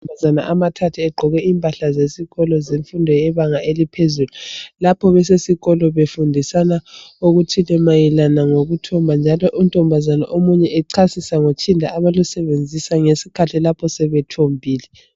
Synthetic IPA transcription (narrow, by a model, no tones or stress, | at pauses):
bazanaʔamatʰatʰiɛɡ͡ǃʱɔɣɛimpʼaɬazesiɣɔlɔzeɱfundʱɔjɛβaŋaelipʰezululapʰɔβɛsesiɣɔlɔβefundʱisanauɣutʰilɛmajɛlanaŋoɣutʰɔmbʱand͡ʒʱalɔʔuntʼɔmbʱazana̰ʔomuɲɛʔɛǀʰasisaŋot͡ʃʰʼindʱa̰aβalusɛβend͡zʱisaŋesikʰatʰilapʰɔsɛβɛtʰombʱiːlɛ